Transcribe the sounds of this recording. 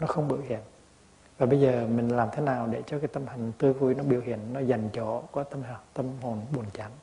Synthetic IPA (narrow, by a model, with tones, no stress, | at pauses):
nɔ˨˦xə˧wŋ͡mɓɨ̰˧˩əhḭ˧˨ən | vaː˨˩ɓə˧jzəː˨˩mï˨˩ŋ̟laː˨˩mt̪ʰe˨˦naː˨˩wɗḛ˧˩t͡ɕɔ˧kaː˨˦jt̪ə˧mha˨˩jŋ̟t̪ɨ˧əvu˧jnɔ˨˦ɓi˧˩əwhḭ˧˨ənːɔ˨˦za˨˩jŋ̟t͡ɕɔ̰˧˩kɔ˨˦t̪ə˧m˨t̪ə˧mho˨˩nɓu˨˩ənt͡ɕa˨˦m